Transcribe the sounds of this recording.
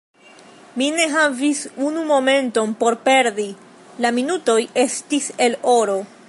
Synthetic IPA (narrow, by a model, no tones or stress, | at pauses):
mine̞ɦavisunumo̞me̞nto̞npo̞ɾpe̞ɾdi | laminuto̞je̞stise̞lo̞ɾo̞